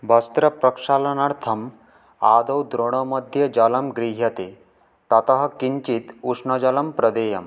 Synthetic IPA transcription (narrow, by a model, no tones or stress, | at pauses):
bɐst̪ɾɐpɾɐkʂaːlɐnaɽt̪ʰɐm | aːd̪ɐwd̪ɾoɽ̃omɐd̪ʱjɐd͡ʒɐlɐmɡɾiɦjɐt̪e | t̪ɐt̪ɐɦɐ̆kiɲt͡ʃit̪uʂɳɐd͡ʒɐlɐmpɾɐd̪eːjɐm